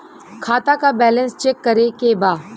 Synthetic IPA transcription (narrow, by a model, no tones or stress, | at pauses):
kʰaːt̪akabɛːlənst͡ʃekːəɾekebaː